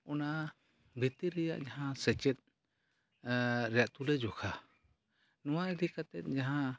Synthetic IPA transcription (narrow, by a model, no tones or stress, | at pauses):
ɔna | bʱit̪iɾɛja̰ʔd͡ʒaɦãsɛt͡ʃɛt̪̚ | ɾɛjaʔt̪ulɛd͡ʒɔkʰa | nɔwaiɾikat̪ɛt̪̚ˀd͡ʒaɦã